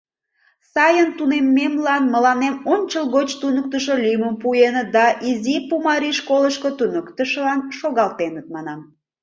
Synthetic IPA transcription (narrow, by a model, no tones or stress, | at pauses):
sɑjənt̪unemːemlɑnməlɑnemonʲt͡ɕəlɣot͡ɕt̪unək̚t̪əʃolyməmpuenəd̪ɑʔizipumɑɾiʃkoləʃkot̪unəkt̪əʃəlɑnʃoɣɑlt̪enət̪̚mɑnɑm